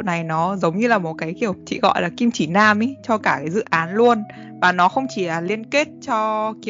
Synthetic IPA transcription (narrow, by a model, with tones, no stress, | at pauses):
wna˨˩jnɔ˨˦zə˨˦wŋ͡mɲɨ˧laː˨˩mo˨˩t̚kaː˨˦jki˧˩əwt͡ɕḭ˧˨ɣɔ̰˧˨jlaː˨˩ki˧mt͡ɕi˧˩naː˧mʔi˨˦t͡ɕɔ˧kaː˧˩kaː˨˦jzɨ̰˧˨ʔaː˨˦nlu˧ən | vaː˨˩nɔ˨˦xə˧wŋ͡mt͡ɕi˧˩laː˨˩li˧ənke˦˥t̚t͡ɕɔ˧ki˧˨